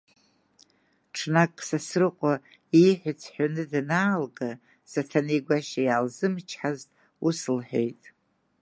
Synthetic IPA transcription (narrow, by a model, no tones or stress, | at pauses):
ʈ͡ʂʰnakʼsasrɨqʷʼa | ijħʷᶣʊt͡sʰħanɨdnaːlɡʼa | satʰanejɡʷaʃajaːlzɨmt͡ʃʰħaztʼ | usɨlħḛjtʼ